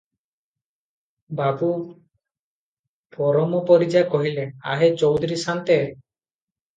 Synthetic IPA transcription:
babu | pɔɾɔmɔpɔɾid͡ʒakɔɦileaɦet͡ʃɔwd̪ʱɔɾisant̪e

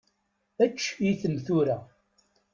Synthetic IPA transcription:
æt͡ʃːjiθəmθuɾæ

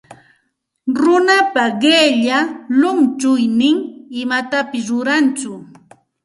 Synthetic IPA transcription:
ɾʊnapaɢeʎalʊnt͡ʃʊjnɪŋɪmat̪apɪs̬ɾʊɾant͡sʊ

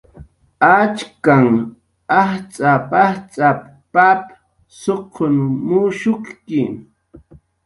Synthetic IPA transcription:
at͡ʃkaŋ | aht͡sʼapaht͡sʼap | pap | soqʰːonmʊʃʊχkɪ

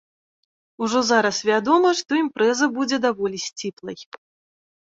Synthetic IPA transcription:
uʐɔzaɾɐsvʲad̪ɔmɐʂt̪ɔimpɾɛzɐbud͡zʲɛd̪avɔlʲisʲt͡sʲiplˠɐj

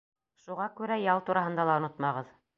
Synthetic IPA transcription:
ʃuʁɑkʉɾæjɑlˠt̪uɾɑɦɤ̆nd̪ɑlˠɑŏnot̪mɑʁɤð

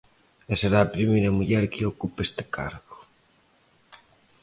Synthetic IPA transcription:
eseɾaːpɾimejɾɐmuʎɛɾkɪokupest̪e̥kʰa̰ɾɣo̥

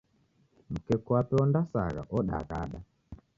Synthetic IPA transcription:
m̩kɛkuapɛɔndasa̰ɣa̰ʔɔɗa̰ɣa̰ɗa

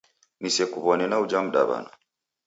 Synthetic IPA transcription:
nisɛkuβɔnɛnaud͡ʒam̩ɗa̰βa̰nɔ

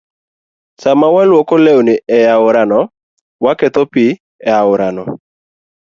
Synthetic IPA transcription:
samawalwɔkɔlɛonɪʔɛjaʊɾanɔ | wakɛt̪opi | ɛaʊɾanɔ

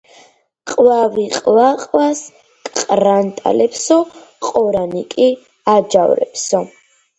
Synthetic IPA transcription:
qʼvaviqʼvaqʼwas | kʼqʼɾant̪ʼa̰lɛpsɔqʼɔɾanikʼi | ad͡ʒavɾɛ̰pʰsɔ

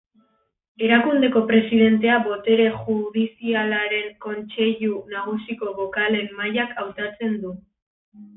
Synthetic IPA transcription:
e̞ɾakund̪e̞ko̞pɾe̞siðe̞nt̪e̞aβo̞t̪e̞ɾe̞ʝuðisialaɾe̞ŋko̞nt͡se̞ʎunaɣ̞usiko̞βo̞kale̞mːajakʰawt̪at͡se̞nd̪u

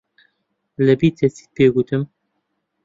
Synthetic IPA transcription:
lɛbiːt̪ʰɛsi̥ːpeːɡut̪ʰɨm

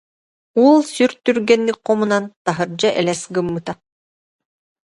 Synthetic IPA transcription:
ulˠsyɾt̪yɾɡɛnːik̚qɔmunant̪aɦɯɾd͡ʑaʔɛlɛsɡɯmːɯt̪a

